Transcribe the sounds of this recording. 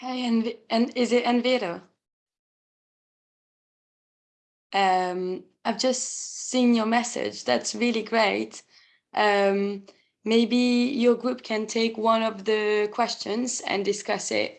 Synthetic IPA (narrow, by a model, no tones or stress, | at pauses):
heɪɛ̃nviɨ̃nɪzɨtɛ̃nviɨɾə | ʔʌ̃m | aɪvd͡ʒʌstsĩnjə˞mɛsɪ̰dd͡ʒðæ̰tsɹɪlˠiɡɹeɪt | ʔʌ̃mː | eɪbijə˞ɡɹʉp̚kʰɨ̃ntʰeɪkwʌ̃nʌvðɨkʰw̥ɛst͡ʃɨ̃nzɨ̰̃ndɨskʌsɪ̰t̚